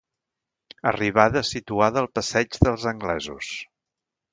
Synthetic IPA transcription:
əriβ̞aðəsit̪uaðəːlˠpəsɛd͡ʒðəlˠzəŋɡlɛzṵs

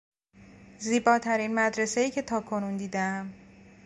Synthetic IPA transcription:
ziːbɒːt̪ʰæɾinmæd̪ɾe̞se̞jiːcʰe̞t̪ʰɒːkʰo̞nund̪iːd̪eæm

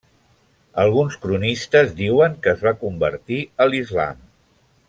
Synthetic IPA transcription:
əlˠɣunskɾunist̪əzd̪iwəŋkəːzβakumbə̰ɾt̪iəlizla̰m

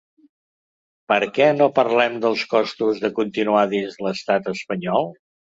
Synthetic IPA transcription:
pəɾkɛnopəɾlɛmd̪əlˠskɔst̪uzðəkunt̪inuaðinzləst̪at̪əspəɲɔlˠ

